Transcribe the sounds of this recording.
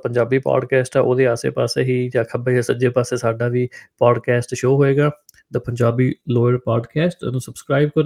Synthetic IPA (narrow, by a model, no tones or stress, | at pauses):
pəɲd͡ʒaːbiːpa̰ːɖkɛːsʈɛːʔoːd̪eːaːsḛːpaːseːɦiːd͡ʒaːkʰəbeːd͡ʒasəd͡ʒeːpaːseːsaːɖaːʋiːpaːɖkɛːsʈʃoːɦoːeːɡaː | d̪əpəɲd͡ʒaːbiːloːəɾpaːɖkɛːsʈnũːsəbskɾaːib̚kəɾ